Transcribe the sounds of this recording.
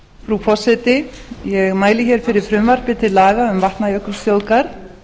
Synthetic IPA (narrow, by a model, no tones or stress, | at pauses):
fɾupʰɔsɛt̪ɪjɛɣmaːjlɪçɛɾ̥fɪɾɪɾ̥fɾʏmvar̥pɪt̪ʰɪlaːɣaʏmvaht̪najœhkʏ̥st̪jowkaɾ̥